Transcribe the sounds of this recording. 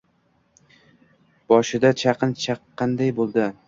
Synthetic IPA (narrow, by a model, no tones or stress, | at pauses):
b̥ɒʃɪd̪at͡ʃʰɑqʰɨnt͡ʃʰɑqːɑnd̪ajbolˠd̪ɪ